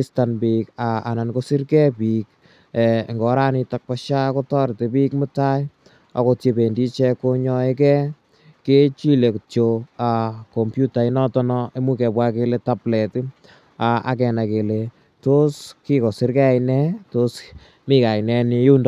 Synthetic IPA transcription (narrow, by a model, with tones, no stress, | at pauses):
i˦stanbika˨a˨na˨nko˦si˦ɾkɛ˦pi˨k̚ː | ŋɡɔ˨˦ɾa˦ni˧ta˨k̚pa˦ʃa˦ko˦tɔ˦ɾte˨pi˦k̚mɪ˦ta˦j | a̰˨ko˨˧tje˧be˨ndi˦t͡ʃɛ˦ko˧ɲɔ˧e˦kɛ˦ | ke˦t͡ʃi˦le˨kt͡ʃo˧a˨ko˨mpju˦ta˨i˦nɔ˦tɔ˦nɔ˧e˦mu˦kɛ˨pwa˦ke˧leta˦plɛ˨t | a˨a̰˨kɛ˨na˨ke˨le˨ | to˦ski˦ko˨si˦ɾkɛ˦a˨jnɛ˦to˦s | mi˦ka˨inɛ˧ni˧ju˦nd